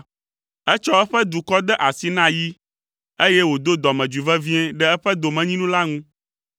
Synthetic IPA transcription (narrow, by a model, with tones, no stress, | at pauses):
ɛ˦t͡ʃɔ˦ɛ˦ɸɛ˦d̪u˨kɔ˦d̪ɛ˦ʔa˨si˦nã˦ji˦ | e˦jɛ˦wo˨d̪o˦d̪ɔ˨mɛ̃˨d͡ʒu˨vɛ˦vi˦ɛ̃˦ɖɛ˦ɛ˦ɸɛ˦d̪o˨mɛ̃˨ɲĩ˦nũ˦la˦ŋũ˦